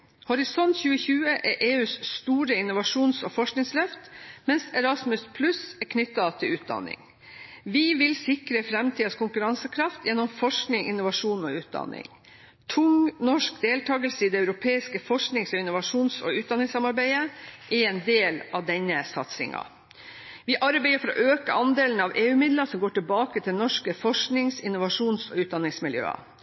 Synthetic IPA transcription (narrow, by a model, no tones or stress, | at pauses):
hɔɾɪsɔnt̪çʉːəçʉːəʔɛʔeːʉːsst̪uːɾəɪnʊʋɑʂuːnsɔfɔʂknɪŋslœft̪mɛnsɛɾɑsmʉspʰlʉsɛɾkʰnʏt̪ːɑt̪ʰɪlʉːt̪̚d̪ɑ̰nɪ̰ŋ | ʋiʋɪlsɪkɾəfɾɛmt̪ʰiːskʰʊŋkʉɾɑnsəkʰɾɑft̪ʰjɛnːɔmfɔʂknɪŋɪnːʊʋɑʂuːnɔʉːt̪̚d̪ɑ̰nɪ̰ŋ | t̪ʰʊŋnɔʂkd̪eːlt̪ʰɑːɡəlsəiːd̪ɛɑʉɾʊpʰeːɪskəfɔʂknɪŋsɔɪnʊʋɑʂuːnsɔʉːt̪d̪ɑnɪŋsɑmɑɾbæɪəʔɪeːnd̪eːlɑʋd̪ɛnːəsɑt̪sɪ̰ŋɑ̰ | ʋɪʔɑɾbæɪəfɔɾɔ̰ʔøːkəʔɑnd̪eːlən̩ɑʋʔeːʉːmɪd̪ləsɔmɡoːʈɪlbɑːkət̪ʰɪlnɔʂkəfɔʂknɪŋsɪnːʊʋɑʂuːnsɔʉːt̪̚d̪ɑnːɪŋsmɪljø̰ːɑ̰